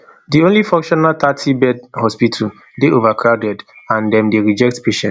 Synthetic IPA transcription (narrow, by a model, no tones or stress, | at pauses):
diõnlifɔ̃ŋkʃɔnalt̪atʰibɛd̚hɔspitʰu | deʔovakʰɹawdɛdãndɛ̃mdeɹid͡ʒɛk̚tpeʃɛ̃n